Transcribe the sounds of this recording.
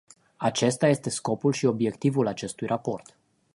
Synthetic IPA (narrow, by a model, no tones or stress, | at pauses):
at͡ʃe̞st̪aje̞st̪e̞sko̞pulʃio̞bje̞kt̪ivulat͡ʃe̞st̪ujrʔapo̞rt̪